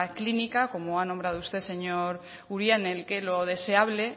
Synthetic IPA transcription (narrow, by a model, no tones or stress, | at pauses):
klinikako̞moanõmbɾaðoust̪e̞se̞ɲo̞ɾ | uɾjanelke̞lo̞ð̞e̞se̞aβle̞